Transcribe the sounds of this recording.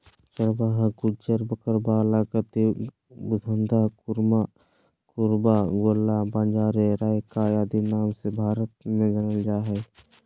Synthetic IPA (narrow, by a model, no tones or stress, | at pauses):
t͡ʃəɾbaɦɡʊd͡ʒəɾbəkəɾbaːlaɡət̪i | bʊd̪ʱənd̪ʱakʊɾma | kʊɾbaɡolːabãːnd͡ʒaːɾeɾaːjkajaːd̪inaːmsebʱaːɾət̪̚mẽd͡ʒənəld͡ʒaːɦɛː